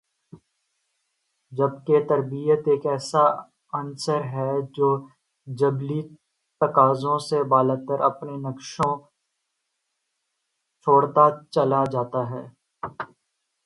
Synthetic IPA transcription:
d͡ʒɐbket̪ɐɾbijət̪eːkɛːsa | ɐnsəɾɦɛd͡ʒoː | d͡ʒɐbli | t̪ɐkaːzõsebaːlət̪əɾɐpnenɐkʃõ | t͡ʃʰoːɽt̪at͡ʃɐlad͡ʒaːt̪aɦɛː

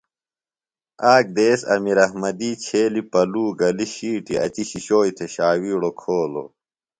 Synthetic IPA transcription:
aːk̚d̪eːsɐ̰miɾɐhmɐd̪iːt͡ɕʰeːlipɐluːɡɐliɕiːʈiɐ̰t͡ɕiɕiɕoːjt̪ʰeɕaːwiːɽokʰoːlo̰

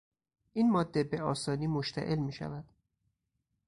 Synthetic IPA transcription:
ʔiːnmɒːd̪ːe̞be̞ɒːsɒːniːmoʃt̪ʰæ̰ʔe̞lmiːʃæ̰væd̪̥

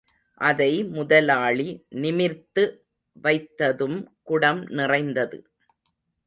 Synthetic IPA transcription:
ʔɐðɐɪmʊðɐlaːɭinɪmɪɾt̪ːɯ | ʋɐɪt̪ːɐðɯmkʊɽɐmnɪrɐɪnd̪ɐðɯ̰

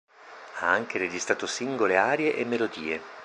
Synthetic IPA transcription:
aaŋk̟eɾed͡ʒist̪ɾaːt̪osiŋɡoleaːɾjeʔemːelod̪iːe

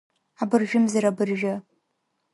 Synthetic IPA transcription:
abɨrʒᶣʊmzɨɾabɨrʒᶣɐ

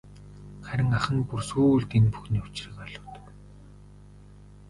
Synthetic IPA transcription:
χæɾʲɪ̆ŋaχə̆ŋpursuːɮt̪enpu̥xniːʊt͡ɕrə̆kœɮʊ̆ːt̪ə̥̆k

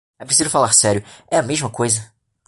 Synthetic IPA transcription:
ɛpɾes̬izʊfalaɾsɛɾjʊɛɐmeʒmɐkojzɐ

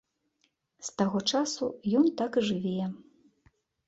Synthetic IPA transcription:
st̪aɣɔt͡ʂasṵjɔnt̪akʐɨvʲɛjɛ

